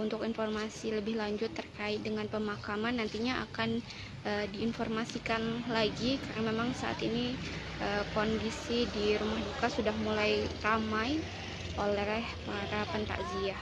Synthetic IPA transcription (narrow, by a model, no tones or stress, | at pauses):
unt̪ʊkinformasiləbɪhlaɲd͡ʒʊt̪ːərkaɪt̪̚dəŋanpəmakamanːant̪iɲaʔa̰kan | ʔədiːnformasikanlaɡikarnamemaŋsaʔa̰t̪ini | ʔəkondisidiɾumahdukasudahmulajramaj | ʔolɛɛhpaɾapənt̪a̰ʔziah